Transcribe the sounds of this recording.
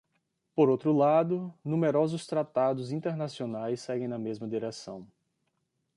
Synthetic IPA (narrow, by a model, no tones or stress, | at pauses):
poɾowt̪ɾʊlad̪ʊnũmeɾɔzʊst̪ɾat̪ad̪ʊzĩnt̪eɾnasionajsːɛɡẽj̃nɐmezmɐd̪iɾɛsɐ̰̃w̃